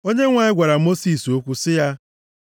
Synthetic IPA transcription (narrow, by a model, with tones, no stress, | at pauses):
o˦ɲe˦ŋʷa˨ɪ˦ɡʷa˨ɾa˨mo˦si˦˨so˦kʷu˦sɪ˦ja˦